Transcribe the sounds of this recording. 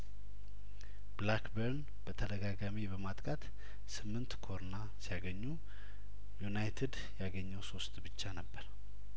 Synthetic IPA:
blakbəɾn | b̥ət̪ʰəd̪əɡaɡamibəmat̪ʼkʼat̪ | sɨmːɨnt̪kʰo̞ɾna | sijaɡəɲːu | junajt̪ʰɪd̪ | jaɡəɲːəwso̞st̪bɨt͡ʃːanəbːəɾ

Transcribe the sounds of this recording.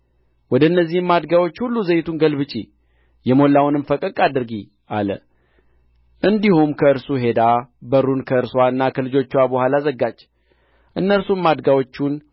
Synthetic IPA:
wɔd̪əɨnːəzːihɨmːad̪ɡawo̞t͡ʃːhulːuzəjt̪ʰunɡəlbɨt͡ʃʼi | jɛmo̞lːawʊnɨmfəkʼəkʼad̪ɨɾɡi | ʔalə̰ | ʔɨnd̪ihumkʰəɨɾsuɦe̞d̪abəɾunkʰəɨɾswaɨnːakʰəlɨd͡ʒo̞t͡ʃːwabəhʷwalazəɡːad͡ʒː | ʔɨnːəɾsumːad̪ɡawo̞t͡ʃːun

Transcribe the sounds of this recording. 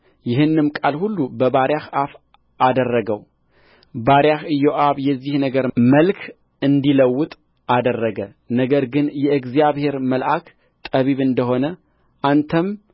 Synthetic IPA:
jɪɦɨnːɨmkʼalhulːubəβaɾjahaf | ʔad̪ərːəɡəw | baɾjahɨjːoʔaβjɛzːihnəɡəɾməlkʰ | ɨnd̪iləwːʊt̪ʼ | ʔad̪ərːəɡə | nəɡəɾɡɨnjɛɨɡzijaβhe̞ɾməlʔakʰ | t̪ʼəβiβɨnd̪əɦo̞nə | ʔant̪ʰəm

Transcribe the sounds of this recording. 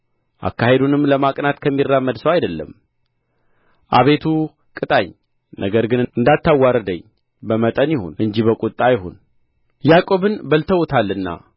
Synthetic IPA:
ʔa̰kːaɦe̞d̪unɨmːləmakʼnat̪kʰəmːirːamːəd̪səwajd̪əlːə̰m | ʔa̰βe̞t̪ʰu | kʼɨt̪ʼaɲ | nʔəɡəɾɡɨnɨɨnd̪at̪ʰːawːaɾəd̪əɲː | bəmət̪ʼənjɪho̰nʔɨɲd͡ʒiβəkʼut̪ʼːajɪɦo̰n | jakʼo̞βɨnbəlt̪ʰəwt̪ʰalːɨnːa̰

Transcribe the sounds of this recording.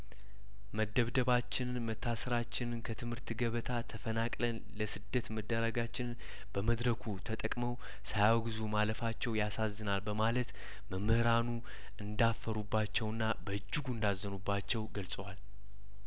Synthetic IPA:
məd̪ːəβd̪əβat͡ʃːɪnmət̪ʰːasəɾat͡ʃːɪnɨnkʰət̪ʰɨmhɨɾt̪ɡəβət̪ʰat̪ʰəfənakʼlən | ləsɨd̪ːət̪məd̪ːəɾəɡat͡ʃːɪnn | b̥əməd̪ɾəkʰut̪ʰət̪ʼəkʼməw | sajaɡɨzumaləfat͡ʃːɛwjasazːɨnalbəmalət̪ | məmːɨhɨɾanu | ʔɨnd̪afːəɾubːat͡ʃːɛwɨnːabəɨd͡ʒːɨɡuɨnd̪azːənubːat͡ʃːɛwɡəlsʼəwal

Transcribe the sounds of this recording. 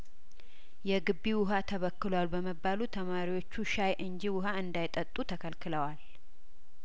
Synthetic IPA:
jɛɡɨbːiwʊɦat̪ʰəβəkːɨlwalbəməbːalut̪ʰəmaɾiwo̞t͡ʃːuʃajʔɨɲd͡ʒiwʊɦaɨnd̪ajt̪ʼət̪ʼut̪ʰəkʰəlkʰɨləwal

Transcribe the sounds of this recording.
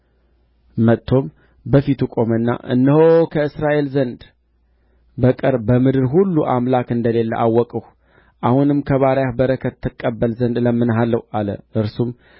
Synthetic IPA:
mət̪ʰːo̞m | bəfit̪ʰukʼo̞mənːa̰ʔɨ̰nːəhokʰəɨsɾaʔe̞lzənd̪ | bəkʼɨɾbəmɨd̪ɨɾɦulːuʔamlakɨnd̪əle̞lːə̰ʔawːɔkʼəh | ʔahunɨmkʰəβaɾjahbəɾəkʰət̪ːɨkʼːəbːəlzənd̪ləmːɨnɦalːəwalə̰ʔɨɾsum

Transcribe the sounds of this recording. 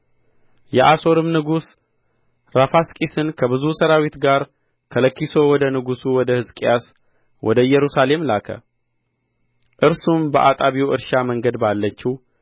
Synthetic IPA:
jɛʔaso̞ɾɨmnɨɡus | ɾafaskʼisɨnkʰəbɨzusəɾawit̪ɡaɾ | kʰələkːiso̞wɔd̪ənɨɡusuwɔd̪əhɨskʼijas | wʔɔ̰d̪əjɛɾusale̞mlakʰə̰ | ʔɨɾsumbəʔat̪ʼaβiwɨ̰ɾʃaməŋɡəd̪balːət͡ʃːiw

